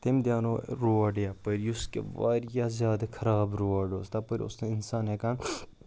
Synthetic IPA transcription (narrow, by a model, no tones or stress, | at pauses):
t̪emd̪ʲjaːnoɾoɐɖjapəɾjuskḛʋa̰ːɾjazʲjaːd̪ɐkʰɐɾaːbɾoʋɐɖo̰ːst̪apəɾʲo̰st̪einsaːnɦekãn